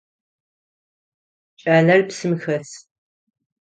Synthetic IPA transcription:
t͡ʃʼɐnɐrpsɨmxɐs

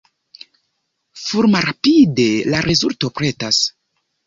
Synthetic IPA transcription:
fuɾmaɾapide̞laɾʔezulto̞pɾe̞tas

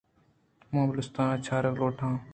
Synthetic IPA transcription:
mãːblʊst̪ãːt͡ʃʰaːɾəkloːʈʰãː

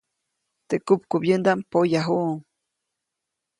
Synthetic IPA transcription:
t̪ekupkubjɨnd̪ampojaɦuʔm

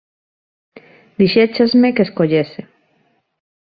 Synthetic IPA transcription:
d̪iʃet͡ʃazmekeskoʎese

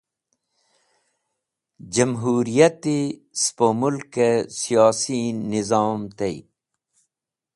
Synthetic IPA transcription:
d͡ʑɐmɦuːɾijɐt̪ispomulkːesijaːsinizaːmt̪eḭ

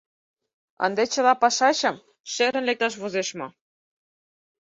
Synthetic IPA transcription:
ə̰nd̪et͡ɕə̆lɑpɑʃɑɕɤ̆m | ʃeɾə̆nlek̚t̪ɑʃ̬βozeʃmo

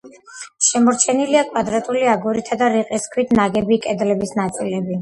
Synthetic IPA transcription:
ʃɛmɔɾt͡ʃʰɛniliakʼwad̪ɾat̪ʼuliaɡuɾit̪ʰad̪aɾiqʼiskʰwit̪ʰnaɡɛbikʼɛd̪lɛbisnat̪sʼilɛbi

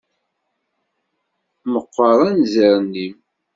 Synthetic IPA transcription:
məqːəɾˤænzəɾnːim

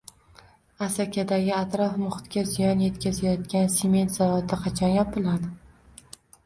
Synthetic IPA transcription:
asakʲʰad̪aɡʲɪat̪ɾɒfmʊχɪt̪kʲazɪjɒnje̞t̪kʲazajɒt̪̚kʲanseme̞nt̪zavat̪ɪqʰɑt͡ʃʰɒnjɒp̚bɪlˠad̪

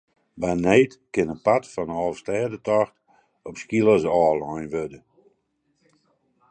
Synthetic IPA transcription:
banɛːtkɪnənpatfɔnəɔfstɛːdətɔxt | ɔpskilˠəsɔːlˠɔjnʋødə

